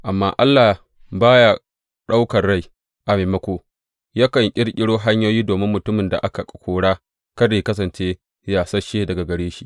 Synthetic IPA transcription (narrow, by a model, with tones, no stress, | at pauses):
ʔa˨mːa̰ː˦ʔa˦lːa˨ | baː˦ja˦ | ɗa˦wkɐ˨rɽa˦˨j | ʔa˨meː˨mɐ˦kʷoː˨ | jaː˦kɐ˨ŋkʲʼɪ˦ɽkʲʼɪ˦ɽoː˦ɦa˦ɲjoː˦jiː˦doː˨mɪ˦mːʊ˨tʊ˦mɪ˨nda̰˨ʔa˦ka˨kʼɐ̥˨kʷʰoː˦ɽaː˦ | kɐ˦deː˨kɐ˦s̬ɐ˨nt͡ʃeː˦ | jaː˨sɐ˦ʃeː˦dɐ˨ɡa˨ɡɐ˨ɽeː˦ʃi˦ʔ